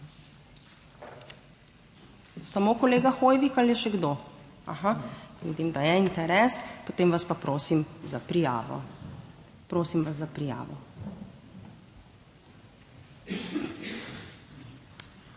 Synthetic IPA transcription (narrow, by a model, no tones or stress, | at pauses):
samokɔleːɡaxoːjʋikaljɛʃɛɡd̪o | a̰xaʋḭːd̪imd̪ajɛint̪ɛɾɛspot̪eːmʋaspapɾoːsimzapɾija̰ːʋɔ̰ | pɾoːsimʋaszapɾija̰ːʋɔ̰